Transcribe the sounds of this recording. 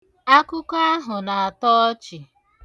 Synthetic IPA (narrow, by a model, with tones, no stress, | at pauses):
a˦kʊ˦ka˦a˦ɦʊ˨na˨a˨tɔ˦ɔ˦t͡ʃɪ˨